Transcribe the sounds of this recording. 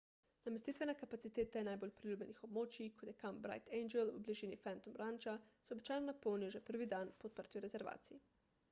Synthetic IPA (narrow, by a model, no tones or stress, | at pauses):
nameɛst̪iːt̪ʋɛnɛkapat̪sit̪eːt̪ɛnajbolʲpɾilʲjuːbjɛnixob̚moːt͡ʃikʰot̪jɛkambɾa̰jt̪ejnd͡ʒɛlṵbliʒiːnifɛnt̪ɔmɾant͡ʃasɛobit͡ʃaːjnɔnapɔwnijɔʒɛpəɾʋid̪anpɔt̪̚pəɾt̪iɾɛzɛɾʋa̰ːt̪siji